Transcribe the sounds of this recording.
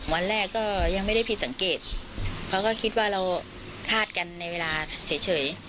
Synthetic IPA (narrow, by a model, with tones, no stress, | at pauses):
mu˩˦ənɾɛː˥˩kːɔː˥˩ja˧ŋma˥˩jda˥˩jpʰi˧˦t̪̚sa˩˦ŋkeː˨˩t̪̚pʰɛ˧˦˥kɔː˥˩kʰi˦˥t̪̚waː˥˩ɾa˧w | kʰaː˥˩t̪̚ka˧nːa˧jweː˧laː˧si˩˦t͡ɕʰɤː˩˦j